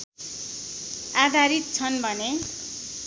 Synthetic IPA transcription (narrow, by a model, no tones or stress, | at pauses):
ad̪ʱaɾit̪̚t͡sʰʌnbʱʌne